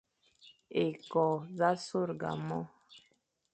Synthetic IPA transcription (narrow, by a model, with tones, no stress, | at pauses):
e˨kɔ˨za˦so˦˨ɾɡa̰˨mɔ˦